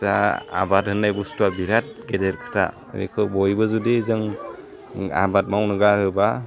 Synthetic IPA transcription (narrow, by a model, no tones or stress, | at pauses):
saa̰bat̚hɯnːajbustuabiɾat̚ɡedeɾkʰɯ̥tʰa̰ɾḭkʰɯbɔjbɯzudizɯŋ | a̰bat̚mawnɯɡaɾɯba